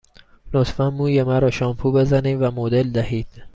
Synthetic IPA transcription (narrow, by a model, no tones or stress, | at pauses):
not̪fænmuːjemæɾɒːʃɒːmpʰuːbe̞zæniːmvæmod̪e̞ld̪æhiːd̪̥